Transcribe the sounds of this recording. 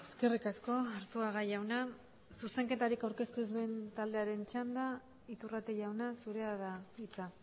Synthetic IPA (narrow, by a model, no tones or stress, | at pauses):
e̞ske̞rikasko̞aɾt̪uaɣajawna | suse̞ŋke̞t̪aɾikawɾke̞st̪us̬ue̞nt̪ald̪eaɾe̞nt͡ʃand̪a | it̪urat̪eʝawnasuɾe̞aðait͡sa